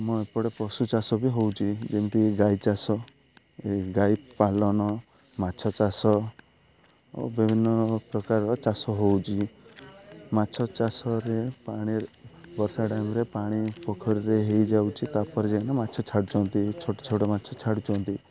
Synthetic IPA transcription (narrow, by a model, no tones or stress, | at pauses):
mũepɔɽepɔsut͡ʃasɔbiɦowt͡ʃʰid͡ʒemʈiɡajt͡ʃasɔ | eɡajpalɔnɔ | mat͡ʃʰɔt͡ʃasɔ | o̰bibʱinːɔpɾɔkaɾɔɔt͡ʃasɔɦowt͡ʃʰi | mat͡ʃʰɔt͡ʃasɔɾepaɽ̃iɾbɔɾsaʈajmɾepaɽ̃ipɔkʰɔɾiɾeɦejd͡ʒawt͡ʃʰit̪apɔɾed͡ʒenamatːt͡ʃʰɔt͡ʃʰaɽut͡ʃʰɔnt̪it͡ʃʰoʈɔ̥t͡ʃʰoʈɔmat͡ʃʰɔt͡ʃʰaɽut͡ʃʰɔnt̪i